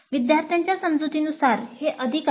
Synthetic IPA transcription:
ʋid̪jaɾt̪ʰjaɲt͡ɕjasəmd͡zut̪iːnusaɾheʔəd̪ʱik

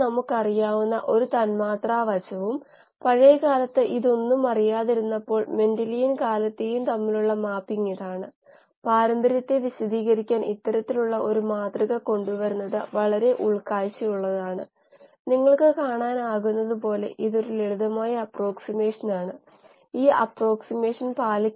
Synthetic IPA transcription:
nɐmukːɐrijaːʋunːɐ̰ʔo̞ɾut̪ɐnmaːt̪raːʋɐt͡ɕːɐʋum | pɐɻejɐkaːlɐt̪ːeʔiðo̞nːumɐrijaːðiɾunːɐpːo̞ːɭme̞ndɐlijinkaːlɐt̪ːejumt̪ɐmːiluɭːɐmaːpːiŋːiðaːɳɨ | paːɾɐmb̪ʱɐɾjɐt̪ːeʋiɕɐd̪iːɣɐɾikʲːaːnit̪ːɐɾɐt̪ːiluɭːɐʔo̞ɾumaːt̪riɣɐko̞ɳɖuʋɐɾunːɐðɨ̰ʋɐɭɐɾe̞ʔuɭkaːjt͡ɕːijuɭːɐðaːɳɨ̰ | niŋːɐɭkɨkaːɳaːnaːɣunːɐðupo̞ːle̞̰ʔiðo̞ɾuleɻuðɐmaːjɐːpro̞ːksime̞ːʂɐnaːɳɨ | iːʔɐ̰pro̞ːksime̞ːʂɐnpaːli

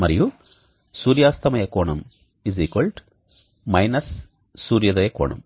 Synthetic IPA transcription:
mɐɾiju | suːɾjaːst̪ʰɐmɐjɐkoːɳɐm | iziːkʋɐlʈ | mɐjnɐsː | uːɾjɐd̪ɐjɐkoːɳɐ̰m

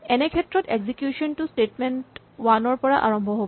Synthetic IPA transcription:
ɛnekʰet̪ːɾot̪eɡsikjuʃonʈusʈeʈmeɳʈ | wanoɾpɔɾa̰ʔa̰ɾombʱoɦob

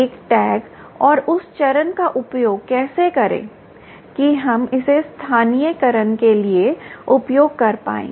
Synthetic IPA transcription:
eːkʈɛːɡ | ɔːɾʊst͡ʃɐɾənkaʔʊpjoːɡkɛːsekɐɾḛ̃ː | kiɦɐmɪsest̪ʰaːnijəkɐɾənkelieʊpjoːɡ̚kɐɾpa̰ːḛ̃ː

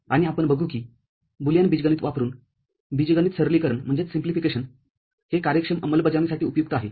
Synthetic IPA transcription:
aɽ̃iapəɳbəɡʱuːkiː | buljãnbid͡ʑɡaniːt̪ʋapɾuːn | bid͡zɡañiːt̪səɾliːkəɾəɳm̤əɳd͡zet͡ssimplifikeɕən | hekaɾjəkʂəməməlbəd͡zanisaʈiːupjuk̚t̪əaɦe

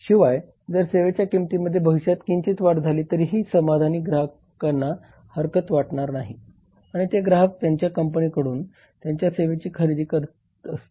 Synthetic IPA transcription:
ɕiʋaj | d͡zəɾseʋet͡ɕjakimt̪iːməd̪ʱːjebʱəʋiɕat̪kiɲt͡ɕit̪ʋaʈd͡zʱaliːt̪əɾiːɦiːsəmad̪ʱaniːɡɾaɦə | kanːa | həɾkət̪ʋaʈɳaɾnaɦi | aɽ̃it̪eɡɾaɦək̚t̪jaɲt͡ɕjakəmpənikəɽuːn | t̪jaɲt͡ɕjaseʋet͡ɕiːkʰəɾid̪iːkəɾt | əst̪e̥

